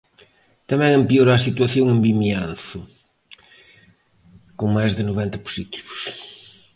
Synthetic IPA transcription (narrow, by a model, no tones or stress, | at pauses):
t̪ɐmɛ̃ŋẽmpioɾasit̪wɐθjõŋẽmbimjanθʊ | koŋmajzðɪnoβent̪ɐpu̥sit̪i̥βʊ̥s